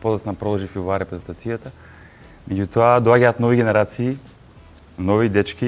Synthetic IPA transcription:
pɔd̪at̪snapɾɔlˠɔʒifivaɾɛpɾɛzɛnt̪at̪sijat̪a | mɛɟut̪oad̪oaɟaːt̪nɔviɡʲɛnɛɾat̪siː | nɔvid̪ɛt͡ʃkʲi

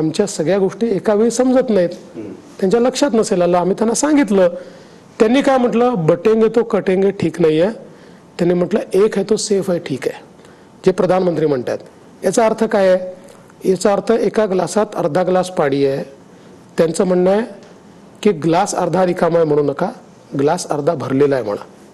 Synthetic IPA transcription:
amt͡ɕjasəɡɭjaɡoʂʈiːekaʋiisəmd͡zət̪nait̪t̪jaɲt͡ɕjaləkʂat̪nəselalaːm̤iːt̪janːasãŋɡit̪lə | t̪janːiːkajm̤əʈləbəʈeŋɡet̪okəʈeŋɡeʈʰiːknaɦije | t̪janːiːm̤əʈləʔekɦet̪osefajʈʰiːkḛ | d͡ʑepɾəd̪ʱanmənt̪ɾiːm̤əɳt̪a̰t̪ | jat͡saəɾt̪ʰəkaje | jet͡saəɾt̪ʰəʔekaɡlasat̪əɾd̪ʱaɡlaspaɽiːe | t̪jant͡səːm̤əɳːae | kiːɡlasə̰ɾd̪ʱaɾikʰamajm̤əɽ̃uːnəka | ɡlasəɾd̪ʱabʱəɾlelajm̤ə̰ɭ̃a̰

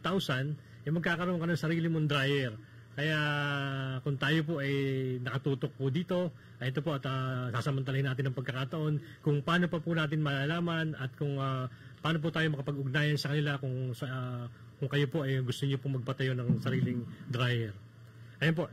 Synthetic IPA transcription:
t̪awsɐn | ʔɐjmɐɡ̚kaːkɐɾooŋkɐnɐŋsɐɾiːlɪmond̪ɾajɛɾ | kɐjaʔ | kʊŋt̪aːjo̞p̬o̞ʔɐjnɐkɐt̪uːt̪o̞k̚pʊd̪iːt̪o̞ | ʔɐʔɛt̪o̞po̞ʔɐt̪ɐsaːsɐmɐnt̪ɐlɐhɪnaːt̪̬ɪnɐŋpɐɡkɐkat̪ɐʔo̞n | kʊŋpaːno̞pɐpʊnaːt̪ɪnmɐlalaːmɐnɐt̪̚kʊŋa | paːnop̬ʊt̪aːjo̞mɐkɐpɐɡʊɡ̚naːjɐnsɐkɐnɪlakʊŋs | kʊŋkɐjo̞po̞ʔɐjɡʊst̪oɲopoŋmɐɡ̚pɐt̪ɐjo̞nɐŋsɐɾiːlɪŋd̪ɾaːjɛɾ | ʔɐjonp̬o̞ʔ

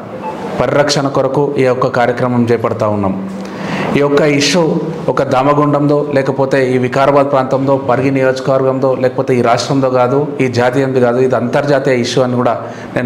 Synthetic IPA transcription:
pɐɾiɾɐkʂɐnɐkɔɾɐkuʔiːjɔkːɐkaːɾjɐkɾɐmɐmt͡ʃɛːjɐpɐɽɐt̪aːunːaːm | iːjɔkːɐiʂːuɔkɐd̪aːmɐɡuɳɖɐmd̪o̞ːlɛːkɐpoːt̪e̞ːiːʋikaːɾɐbaːd̪̚pɾaːnt̪ɐmt̪o̞ːpɐɾɡinijo̞ːd͡ʒkɐʋɐɾɡɐmt̪o̞ːlɛːkɐpoːt̪eːiːɾaːʂʈɾɐmt̪oːɡaːd̪uiːd͡ʒaːt̪ijɐnd̪iɡaːd̪uid̪iɐnt̪ɐɾd͡ʒaːt̪ijɐiʂuɐnːikuːɽaː | neː

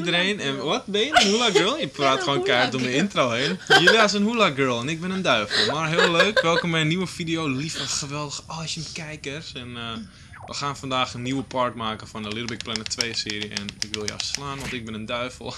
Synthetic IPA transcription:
idəɾeːnɛnʋɔt̚bɪjədɔnhulaɡɜːlˠnjəpraːtxoːnkɛjrdomjəɪntroːhenjəlias̬ənhulaɡɜɹlˠɛnɪk̚bɪnəndœɥvəlˠmarɦɪəlˠøːkʋɛlˠkɔmbɛjəniʋəfidijoːlifɔxəʋɛlˠdəxəɔsəmkɛjkərsɛnə | ʋə̰xaːnfɔndaːxənːiwəpɔrtmaːkəfɔnəlɪdˠbɪk̚plɛnətʰʋejəsɪːɾiəɛ̰nɪkʋɪlˠjəɔ̰fslaːnʋɔntɪk̚bɪnəndœɥvəlˠ

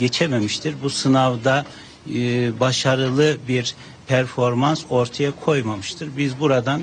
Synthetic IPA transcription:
ɟet͡ʃʰememiʃt̪ʰiɾbusɯnavd̪a | baʃaɾɯlˠɯbiɾ | pʰæɾfo̞ɾmanso̞ɾt̪ʰajakʰo̞jmamɯʃt̪ʰɯɾbizbuɾad̪an

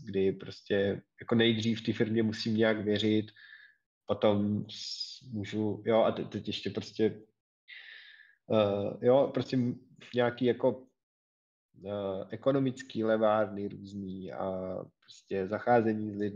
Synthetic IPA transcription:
ɡdɪpɾo̞scʲɛjako̞nɛjd̪r̝iːft̪ifɪɾmɲɛmusimɲɛakvjɛɾ̝ɪt̪ | po̞t̪o̞msmuːʒujo̞ʔat̪ɛt̪ɛcjɛʃcɛpɾo̞scʲɛ | əjo̞pɾoscɛm | ɲɛakiːjako̞ | ʔɛko̞no̞mɪt͡skiːlɛvaːɾnɪɾuːzniːa̰pɾoscɛzaxaːzɛɲiːzlɪd

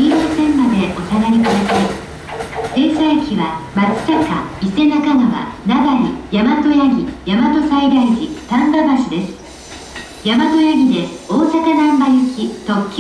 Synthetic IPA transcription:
ĩɰɕosẽ̞mːad̪e̞ʔo̞saɡ̪aɾʲikɯd̪asimas | t̪e̞ːsaakʲiβamat͡sɨ̥taka̰ise̞nakanaβa̰naɡaɾʲijamat̪o̞jaɡʲijamat̪o̞said̪aiʑit̪ãmbabaɕid̪esɨ̥ | jamat̪o̞jaɡʲid̪e̞oːsakanãmbajekʲit̪o̞kʲː

